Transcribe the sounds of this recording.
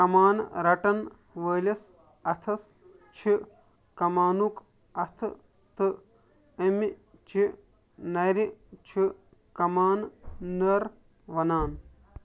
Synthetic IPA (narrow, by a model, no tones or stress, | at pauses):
kɐmaːnɾɐʈɐn | ʋəːlɐs | ɐt̪ʰɐs | t͡ʃʰi | kɐmaːnuk | ɐt̪ʰ | t̪ɨ | ɐmi | t͡ʃʰi | nɐjɾit͡ʃʰi | kɐmaːnːɐɾ | ʋɐnaːn